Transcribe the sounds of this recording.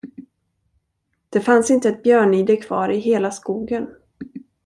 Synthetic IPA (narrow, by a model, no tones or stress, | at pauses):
d̪̥ɛfansɪnt̪əɛt̪̚bjœːɳyːd̪əkʰv̥ɑ̰ːɾɪɦeːlaskuːɡən